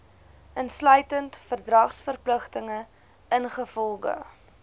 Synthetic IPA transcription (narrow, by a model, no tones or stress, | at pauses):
ʔənslœɥtəntfərdrɐχsfərpləχtəŋə | ənχəfɔlˠɡə̰